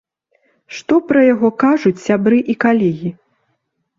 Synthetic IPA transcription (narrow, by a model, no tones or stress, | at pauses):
ʂt̪ɔpɾɐjaɣɔkaʐut͡sʲsʲabɾɨʔikalʲɛɣʲi